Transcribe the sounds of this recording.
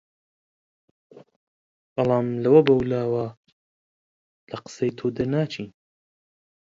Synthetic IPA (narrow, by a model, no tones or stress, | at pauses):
b̥ɑlˠɑːmlɐwɐbɐwlaːwɐ | lɐqɨ̥sejt̪ʰod̪ɨɾnaːt͡ʃʰin